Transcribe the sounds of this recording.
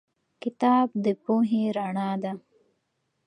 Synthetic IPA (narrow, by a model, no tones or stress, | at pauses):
kit̪aːb̚d̪əpuːɦĩːɾaɳaːd̪a